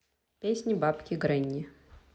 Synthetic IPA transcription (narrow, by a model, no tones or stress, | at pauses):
pʲesʲnʲɪbapkʲɪɡɾɛnʲːɪ